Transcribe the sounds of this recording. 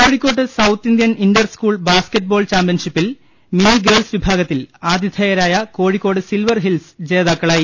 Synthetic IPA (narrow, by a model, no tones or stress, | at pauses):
koːɻikʲːo̞ːʈːɨsɐwt̪ːind̪jɐnindɐrskuːɭbaːskeʈ̚ːboːɭt͡ɕaːmpjɐnʂipːil | miniɡeːɭsʋibʱaːɡɐt̪ːilaːd̪ʱjid̪ʰʱɐjɐɾaːjɐko̞ːɻikʲːo̞ːɽɨsilʋɐrɦilsɨ̥d͡ʑe̞ːðaːkːɐɭaːji